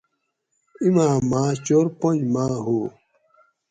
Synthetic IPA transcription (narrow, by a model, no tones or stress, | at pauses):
imãːmaːt͡ɕoɾpoɲmãːɦoː